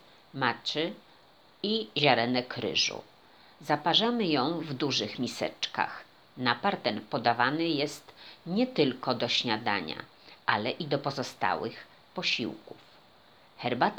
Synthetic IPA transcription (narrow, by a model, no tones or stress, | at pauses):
mat͡ʂɘ | iʑaɾɛnɛkɾɘ̰ʐṵ | zapaʐamɘjɔ̃w̃vd̪uʐɘxmʲisɛ̰t͡ʂka̰x | napaɾt̪ɛnpɔd̪avanɘjɛst̪ɲɛt̪ɘlkɔd̪ɔɕɲad̪a̰ɲa̰ | ʔalɛʔid̪ɔpɔzɔst̪a̰wɘ̰x | pɔɕḭwkṵf | xɛɾbat̪